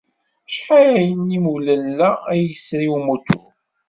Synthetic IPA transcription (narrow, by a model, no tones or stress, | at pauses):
ʃħaɾæjənimulælːææjəsːijumut̪ʰṵ